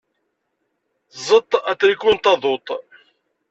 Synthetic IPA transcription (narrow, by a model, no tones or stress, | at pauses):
zˤət̪ˤːæt͡sːɾikːunt̪ɑðˤot̪ˤ